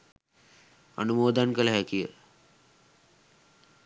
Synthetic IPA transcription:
a̰numoːd̪ankələɦækijə̰

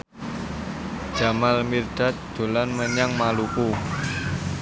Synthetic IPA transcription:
d͡ʒ̥a̤malmird̪̥a̤t̪̚d̪̥o̤lanməɲaŋmaluku

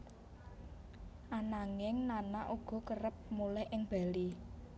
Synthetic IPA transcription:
ʔanaŋɪŋnanaʔuɡ̥ɔ̤kərəp̚mulɛhʔɪŋb̥a̤li

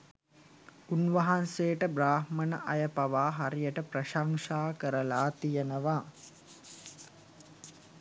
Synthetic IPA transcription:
unʋɐɦanseːʈəbraːhmənə̰ʔɐjəpaʋaːɦaɾijəʈəprɐʃaŋʂaːkəɾəlaːt̪ijənəʋa

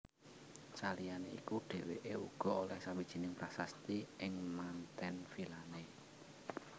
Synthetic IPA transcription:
t͡ʃalijaneḭkuɖ̥e̤weʔeṵɡ̥ɔ̤olɛhsawid̥ʒ̥i̤nɪŋpɾasast̪iʔɪŋmant̪ɛnfilane

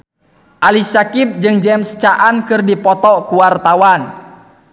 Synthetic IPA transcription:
ʔalisakit̪̚d͡ʒɨŋd͡ʒɛmst͡ʃaʔankɨrdipɔt̪ɔkuwart̪awan

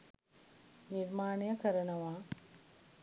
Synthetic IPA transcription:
niɾmaːnejəkəɾənɐʋaː

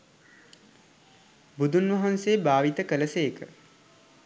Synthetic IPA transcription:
bud̪unʋɐɦansejbaːʋit̪əkələsejkə̰

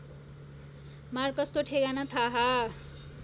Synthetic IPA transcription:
markʌskoʈʰeɡanʌt̪ʰaɦa

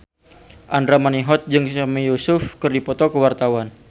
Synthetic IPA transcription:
ʔandɾamaniɦɔt̪̚d͡ʒɨŋamijusʊfkərdipɔt̪ɔkəwart̪awan

